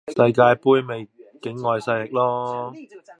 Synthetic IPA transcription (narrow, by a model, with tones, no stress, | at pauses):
sɐ˧jkaː˧jpuː˥jme˨jkɪ˨˥ŋːɔː˨˧jsɐ˧jlɪ˨k̚lɔː˥